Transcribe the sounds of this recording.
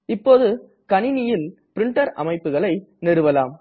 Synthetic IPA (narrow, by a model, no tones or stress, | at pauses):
ɪpːoːðɯ | kɐnɪnɪjɪl | pɪɾɪɳʈɐɾɐ̰mɐɪpːɯɣɐɭɐɪnɪɾɯʋɐlaːm